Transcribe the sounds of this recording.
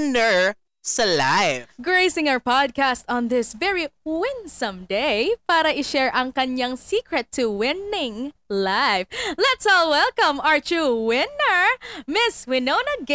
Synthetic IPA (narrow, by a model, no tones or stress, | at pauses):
nɛɹ | sɐlajɡɹeɪsɪ̃ŋaəpɑd̪̚kast̪ɔ̃nðɪsvɛɹiwɪ̃nsɐ̃md̪ejpaːɾɐʔɪʃɛɹʔɐŋkɐɲjaŋsiːkɹɛt̪ʰːʊwɪnɪ̃ŋlaɪvlɛt̪sɔlwɛlˠkɐ̃maɹt͡ʃuwɪnəɹmɪswɪnonɐɡ